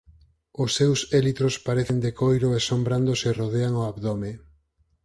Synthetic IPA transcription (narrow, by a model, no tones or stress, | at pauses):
ʊsːewselit̪ɾospaɾeθend̪ekojɾʊesombɾand̪oseroðeaŋoaβðome